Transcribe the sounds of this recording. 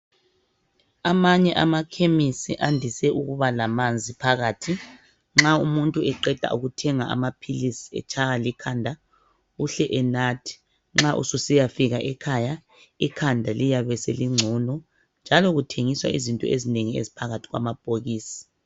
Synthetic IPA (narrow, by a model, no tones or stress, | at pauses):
amaɲɛʔamakʰemisiʔandʱisɛʔuɣuβalamand͡zʱipʰaɣaːtʰi | ŋ͡ǁaumuntʼuɛǃɛd̥ʱa̰ṵɣutʰɛŋaa̰mapʰilisiɛ̰t͡ʃʰaɣalikʰandʱa | uɬɛʔɛnatʰi̥ | ŋ͡ǁaʔṵsusijafiɣaʔɛkʰaja | ikʰandʱalijaβɛsḛliŋ͡ǀʱunɔ | nd͡ʒʱalɔɣutʰeŋiswa̰izintʼɔ̰ezineŋiḛzipʰaɣatʰi̥ɣwa̰mab̥ʱoɣiːsi̥